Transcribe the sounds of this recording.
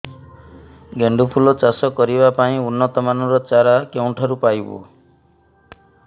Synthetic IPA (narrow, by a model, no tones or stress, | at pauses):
ɡeɳɖupʰulɔt͡ʃasɔkːɔɾibapaĩunːɔt̪ɔmanɔɾɔt͡ʃaɾakewɳʈʰɔɾupajbṵ